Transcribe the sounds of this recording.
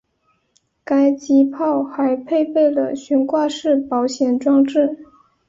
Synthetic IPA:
ka˥ɪt͡ɕi˧˥pʰɑ˥˩ʊxa˧˥ɪpʰe˥˧ɪpe˥˩ɪlə̰˩ɕy˧˥nkwa˥˧ʂɻ̩˥˩pɑ˧˥ʊɕjɛ˨˩nʈ͡ʂwɑ˥˧ŋʈ͡ʂɻ̩˥˩

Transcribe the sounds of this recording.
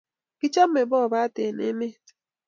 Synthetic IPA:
ɡ̥i˦t͡ʃa˦m̩˦me˨bɔ˦˨ba˦te˨nḛ˦me˦˨t

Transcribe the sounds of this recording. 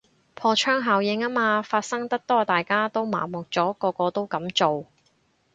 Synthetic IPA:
pʰɔː˧t͡ʃʰœː˥ŋɦaː˨˩wjɪ˨˧ŋa˥maː˧faː˧t̚sɐ˥ŋt̪ɐ˥k̚t̪ɔː˥t̪aː˨jkaː˥t̪o˥wma̰ː˨˩mʊ˨k̚t͡sɔː˨˥kɔː˧kɔː˧t̪o˥wkɐ˨˥mt͡so˨w

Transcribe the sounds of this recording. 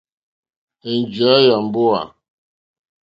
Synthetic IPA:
e˨n˨d͡ʒɥa˨˦ja˨m˨bo˦a̰˨

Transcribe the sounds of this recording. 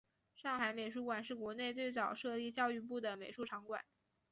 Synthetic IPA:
ʂɑ˥˩ŋxa˧˥ɪme˨˩ɪʂ̬u˧˥kwa˨˩nʂɻ̩˥˩kwɔ˧˥ne˥˧ɪt͡swe˥˩ɪt͡sɑ˨˩ʊʂɤ˥˧li˥˧t͡ɕjɑ˥˧ʊy˥˧p̬u˥˩d̪ə˩me˨˩ʂu˥˩ʈ͡ʂʰɑ˧˥ŋkwa̰˨˩˦n

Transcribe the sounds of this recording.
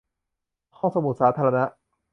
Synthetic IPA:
hɔ˥˩ŋso˧mu˨˩t̪̚saː˩˦˥t̪ʰa˧ɾa˧na˦˥ʔ

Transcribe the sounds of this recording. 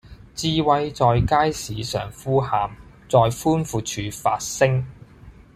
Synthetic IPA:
t͡siː˧wɐ˧jt͡sɔː˨˧jkaː˥jsiː˨sœ̰ː˨ŋfuː˥haː˨˧m | t͡sɔː˨˧jfuː˥nfuː˨˧t͡ʃʰyː˨˧faː˧t̚sɪ˥ŋ

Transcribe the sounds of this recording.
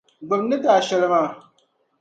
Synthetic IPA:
ɡ͡bɨ˨bnɨ˦daː˨ʃɛ˨lɨ˨maː˨

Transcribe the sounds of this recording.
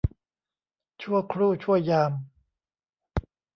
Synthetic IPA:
t͡ɕʰu˥˩əjkʰɾuː˥˩t͡ɕʰu˥˩əjːaː˧m

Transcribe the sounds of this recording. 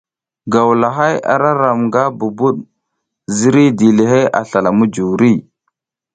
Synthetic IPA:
ɡa˨wla˨ɦa˦ja̰˨ɾa˦ɾa˨mɡa˦bu˨bu˦ɗ | zi˦ɾi˦di˨le˨ɦe˦ʔa̰˨ɬa˨la˨mu˦d͡ʒu˨wɾi˦

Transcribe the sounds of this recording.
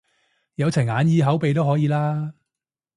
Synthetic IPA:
jɐ˨˧wt͡sʰɐ˨˩aː˨˧njiː˧ɦɐ˨˥wpe˨jt̪o˥wɦɔː˨˥jiː˨˧laː˥

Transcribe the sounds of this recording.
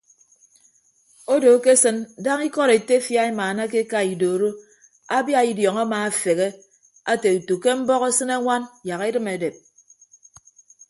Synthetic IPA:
o˦do˨˦ke˦sɨ˦nda˦ŋi˦kɔ˦ɾe˨te˦fja˦i˦maː˨na˦k̬e˦ka˦i˨do˨ɾo˦ | a˦bja˦i˨djɔ˨ŋa˦maː˨a˨fe˨ɣe˦ | a˦te˨u˨tu˨ke˦m̩˦bɔ˦ɣe˦sɨ˦ne˦ŋʷa˦nja˨ɣe˦dɨ˦me˨de˨p̚

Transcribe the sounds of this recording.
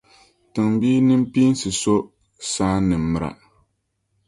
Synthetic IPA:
tɨ˨ŋbiː˦nɨ˦m˦piː˦n˦sɨ˨so˦ | saː˦nɨ˨mː˨ɨ˨ɾa̰˨

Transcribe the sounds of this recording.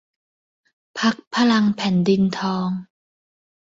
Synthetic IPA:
pʰa˦˥k̚pʰa˧la˧ŋpʰɛ˨˩˦ndi˧nt̪ʰɔː˧ŋ

